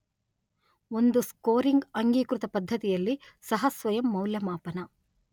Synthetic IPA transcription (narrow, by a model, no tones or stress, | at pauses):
o̞nd̪uskoːɾiŋɡɐŋɡiːkɾut̪ɐpɐd̪ʱːɐt̪ijɐlːi | sɐɦɐsʋɐjɐmːɐwljɐmaːpɐnɐ